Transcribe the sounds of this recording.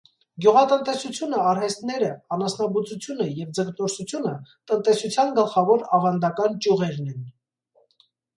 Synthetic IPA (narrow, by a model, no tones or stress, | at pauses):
ɡjuʁɑt̪ənt̪ɛsut͡sʰjunəɑɾhɛst̪nɛɾəɑnɑsnɑbut͡sut͡sʰjunəjɛvd͡zəkt̪ɔɾsut͡sʰjunət̪ənt̪ɛsut͡sʰjɑnɡəlχɑvɔɾɑvɑnd̪ɑkɑnt͡ʃjuʁɛɾnɛn